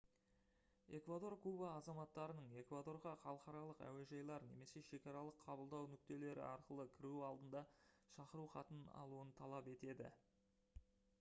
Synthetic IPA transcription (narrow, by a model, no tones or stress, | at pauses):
e̞kvad̪o̞rkʰubaːzɑmɑt̪ːɑɾənəɴe̞kvad̪o̞ɾʁɑχɑlˠəqɑɾɑlˠəqæ̰we̞ʒɑjlˠɑɾne̞̰me̞se̞ʃe̞kʲɑɾɑlˠəqʰːɑbəlˠd̪ɑwnʏk̚t̪e̞le̞ɾɪ̰ɑɾqəlˠəkʲʰɪɾuɑlˠd̪ənd̪ɑ | ʃɑqəɾuχɑt̪ənɑ̰lˠuənt̪ʰɑlˠɑpe̞t̪e̞d̪ɪ̰